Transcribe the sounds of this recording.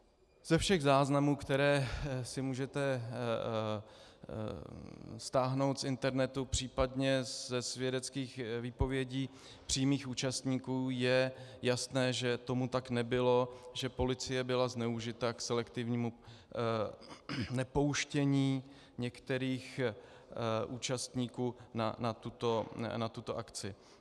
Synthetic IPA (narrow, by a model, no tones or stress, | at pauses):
z̥ɛfʃɛɣzaːznamuːkt̪ɛɾɛːsɪmuːʒɛt̪ɛ | st̪aːɦno̞wt̪sɪnt̪ɛɾnɛt̪upr̝̥iːpadɲɛzɛsvjɛdɛt͡skiːxviːpo̞vjɛɟiː | pr̥ijmiːxuːt͡ʃast̪ɲiːkuːjɛjast̪nɛːʒɛt̪o̞mut̪aknɛbɪlo̞ʒɛpo̞lɪt͡sɪjɛbɪlaznɛuʒɪt̪aksɛlɛkt̪ɪvɲiːmu | nɛpo̞wʃcɛɲiː | ɲɛkt̪ɛɾiːx | ʔuːt͡ʃast̪ɲiːkuːna̰nat̪ut̪o̞nat̪ut̪o̞ʔakt͡sɪ